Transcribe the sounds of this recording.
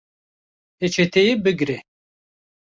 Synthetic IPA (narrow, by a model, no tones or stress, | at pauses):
et͡ʃʰet̪ʰejebɨɡɾe